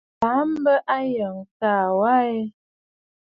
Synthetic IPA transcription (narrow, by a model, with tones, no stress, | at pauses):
pa˨˦m̩˦bə˦ʔa˦jə˨ŋ˨kaː˦˨wa˦ɛ˦